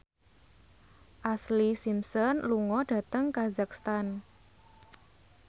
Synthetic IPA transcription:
ʔaslisimsɔnluŋɔɖ̥ä̤t̪əŋkazakst̪an

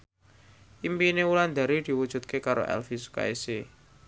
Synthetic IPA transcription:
ʔimpineuland̪a̤ɾid̪̥i̤wud̥ʒ̥ṳt̪̚kekaɾo̰ʔɛ̰lfisu̥ka̰ese

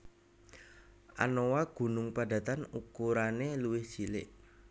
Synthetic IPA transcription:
ʔa̰nowaɡ̥ṳnʊŋpada̤t̪anukuɾaneluwɪhsilɪ̰ʔ

